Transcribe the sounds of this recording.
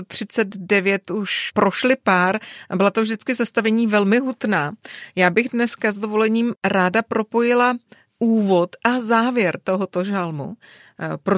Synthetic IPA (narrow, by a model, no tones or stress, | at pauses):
ot̪r̝̥ɪt͡sɛd̪dɛvjɛt̪uʃpɾo̞ʃlɪpaːɾbɪlat̪ovʒdɪt͡skɪzast̪avɛɲiːvɛlmɪɦut̪naːjaːbɪɣdnɛskazdovo̞lɛɲiːmɾaːdapɾo̞po̞jɪla | uːvo̞t̪ʔazaːvjɛɾt̪o̞ɦot̪o̞ʒalmṵ | pɾo